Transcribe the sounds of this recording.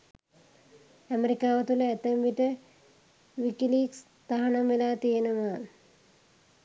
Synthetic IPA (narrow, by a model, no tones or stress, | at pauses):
ɐmeɾikaːʋɐt̪ulet̪emʋiʈɨ | ʋikiliːks | t̪ɐɦɐɳɐmelaːt̪ijenuma